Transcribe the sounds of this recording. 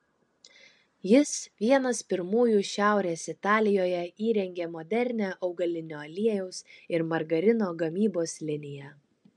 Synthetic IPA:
jɪsʋʲiɛnɐspʲɪɾmuːjuːʃʲæˑʊɾʲeːsɪt̪ɑːlʲɪjoːjɛiːɾʲɛŋʲɡʲeːmɔd̪ʲɛɾʲnʲæːʔɒʊɡɐlʲɪnʲoːɐlʲiɛjɛʊsɪɾmɐɾɡɐɾʲɪnoːɡɐmʲiːboːslʲɪnʲɪjɛ

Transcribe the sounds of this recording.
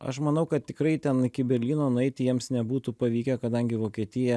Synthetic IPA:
ɐ̰ʃmɐnɐʊkɐt̪̚t̪ʲɪkɾɐɪt̪ʲɛnɪkʲɪbʲɛɾʲlʲiːnoːnʊɛɪttʲɪjiɛmsnʲɛbuːt̪uːpɐʋʲiːkʲɛkɐd̪ɐŋʲɡʲɪʋoːkʲiɛt̪ʲɪjɛ

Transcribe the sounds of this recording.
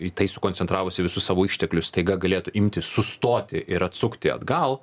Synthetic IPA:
it̪ɐɪsʊkoːnʲt͡sʲɛnt̪ɾɑːʋʊsʲɪʋʲɪsʊssɑːʋoːiʃʲt̪ʲɛklʲʊsst̪ɐɪɡɐɡɐlʲeːt̪ʊʔɪmʲt̪ʲɪsʊst̪oːt̪ʲɪʔɪɾɐt̪sʊkt̪ʲɪɐ̰d̪ɡɐlˠ

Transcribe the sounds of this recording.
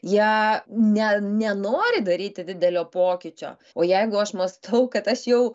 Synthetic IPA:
jiɛnʲɛnʲɛnoːɾʲɪd̪ɐɾʲiːt̪ʲɪd̪ʲɪd̪ʲɛlʲoːpoːkʲɪt͡ʃʲo̰ː | oːjɛɪɡʊɐʃmɐst̪ʰɐʊkɐt̪ɐʃjɛʊ

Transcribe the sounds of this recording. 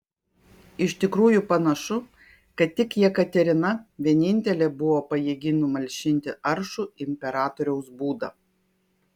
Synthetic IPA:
ɪʃt̪ʲɪkɾuːjupɐnɐʃʊ | kɐt̪ʲtʲːɪkjiɛkɐt̪ʲɛɾʲɪnɐʋʲiɛnʲɪnʲt̪ʲɛlʲɛbʊʋoːpɐjiɡʲɪnʊmɐlʲʃʲɪnʲt̪ʲɪʔɐɾʃuɪmʲpʲɛɾɑːt̪oɾʲɛʊsbuːd̪ɐ̰

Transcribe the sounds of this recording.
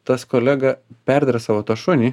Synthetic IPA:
t̪ɐskoːlʲæɡɐpʲæɾʲd̪ʲɐɾʲɐsɑːʋoːt̪ɐʃʊnʲiː

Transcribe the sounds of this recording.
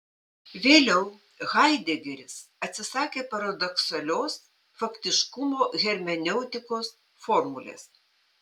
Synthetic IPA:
ʋʲeːlʲɛʊ | ɣɐɪd̪ʲeɡʲɛɾʲɪsɐt̪ʲsʲɪsɑːkʲeːpɐɾɐd̪ɔksɐlʲoːs | fɐkt̪ʲɪʃkʊmoːɣʲɛɾʲmʲɛnʲɛʊt̪ʲɪkoːs | fɔɾmʊlʲḛːs

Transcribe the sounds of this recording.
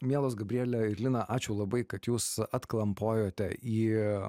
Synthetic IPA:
mʲiɛlˠoːs̬ɡɐbʲɾʲiːlʲɛɪɾʲlʲɪnɐʔɑːt͡ʃʲʊlˠɐbɐɪkɐt̪juːsɐt̪klˠɐmpoːjoːt̪ʲɛiː

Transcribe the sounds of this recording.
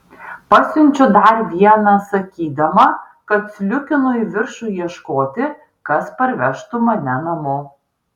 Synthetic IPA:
pɐsʲʊnʲt͡ʃʲʊd̪ɐɾʋʲiɛnɐsɐkʲiːd̪ɐmɐ | kɐt̪sʲlʲʊkʲɪnʊiʋʲɪɾʃuːjiɛʃkoːt̪ʲɪ | kɐspɐɾʲʋʲɛʃt̪ʊmɐnʲɛnɐmoː

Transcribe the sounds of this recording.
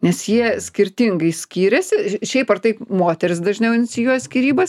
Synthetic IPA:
nʲɛsjiɛsʲkʲɪɾʲt̪ʲɪŋɡɐɪsʲkʲiːɾʲɛsʲɪʃʲɛɪpɐrt̪ɐɪpmoːt̪ʲɛɾʲɪsd̪ɐʒʲnʲɛʊɪnʲsʲɪjusʲkʲiɾʲiːbɐs

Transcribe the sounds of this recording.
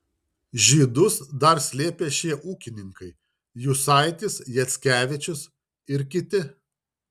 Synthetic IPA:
ʒʲiːd̪ʊsd̪ɐɾsʲlʲeːpʲeːʃʲiɛʔuːkʲɪnʲɪŋkɐɪ | juːsɑˑɪt̪ʲɪsjɛt̪sʲkʲæːʋʲɪt͡ʃʲʊs | ɪɾkʲɪt̪ʲɪ

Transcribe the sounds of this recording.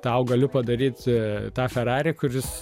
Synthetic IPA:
t̪ɐʊɡɐlʲʊpɐd̪ɐɾʲiːt̪t̪ɑːfʲɛɾɑːɾʲɪkʊɾʲɪs

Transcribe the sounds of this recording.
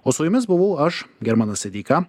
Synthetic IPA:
oːsʊjʊmʲɪsbʊʋɐʊɐʃɡʲɛɾmɑnɐsʲɛd̪ʲiːkɑ

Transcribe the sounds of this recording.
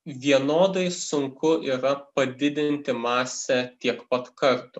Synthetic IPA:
ʋʲiɛnoːd̪ɐɪsʊŋkʊʔiːɾɐpɐd̪ʲɪd̪ʲɪnʲt̪ʲɪmɑːsʲɛt̪ʲiɛkpɐt̪kɐɾt̪ʊ

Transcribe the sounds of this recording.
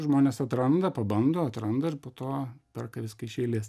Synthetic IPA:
ʒmoːnʲeːsɐt̪ɾɐnd̪ɐpɐbɐnd̪oːɐt̪ɾɐnd̪ɐɪrpoːt̪oːpʲɛrkɐʋʲɪskɐɪʃʲɛɪlʲeːs

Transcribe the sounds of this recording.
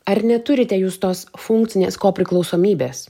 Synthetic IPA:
ɐɾnʲɛt̪ʊɾʲɪt̪ʲɛjuːst̪oːsfʊŋkt̪sʲɪnʲḛːskoːpʲɾʲɪklˠɒʊsoːmʲiːbʲeːs

